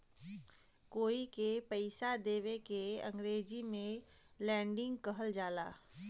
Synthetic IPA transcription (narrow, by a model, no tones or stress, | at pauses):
koːikepəɪsad̪eːʋekeɐ̰̃ŋɡɾeːd͡ʒimẽ | lɛ̃ːɳɖɪ̃ŋɡkəɦəld͡ʒaːla̰ː